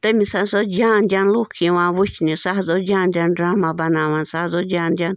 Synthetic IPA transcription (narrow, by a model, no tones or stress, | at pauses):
t̪emisasod͡ʒaːndʲanlukʰĩʋãːʋut͡ʃnĩsaɦzod͡ʒãːnd̪ʲanɖɾaːmabɐnaːʋansahzod͡ʒʲaːnd̪ʲan